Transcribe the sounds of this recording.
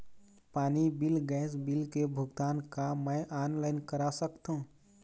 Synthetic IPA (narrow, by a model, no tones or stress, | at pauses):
paːnibɪlɡɛːs̬bɪlkebʱʊɡt̪aːnkaməjʔaːnlaːɪnkəɾasəkt̪ɦũ